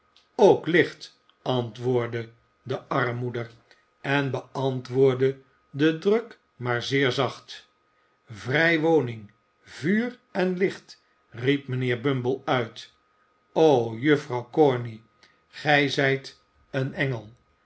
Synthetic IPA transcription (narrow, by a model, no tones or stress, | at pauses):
owklɪχt | ɑntʋʊːɹdə | dəɑrmudər | ɛnbəɑntʋʊːɹdə | dədrɵk | maːɹzɪːɹzɑχt | vrɛjʋownɪŋ | vyːrɛnlɪχt | rip̚mənɪːɹbɵmbəlˠœɥt | owjɵfrɑwkɔɹni | χɛjzɛjt | ənɛŋəlˠ